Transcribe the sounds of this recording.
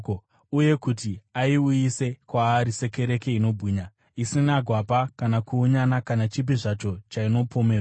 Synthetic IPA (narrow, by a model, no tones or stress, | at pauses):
uje̞kutiaiujise̞kwaːɾise̞ke̞ɾe̞ke̞ino̞bʱiːɲa | isinaɡʱwapakanakuːɲanakanat͡ʃip̬iʐat͡ʃo̞t͡ʃaino̞pʰo̞me̞ːraa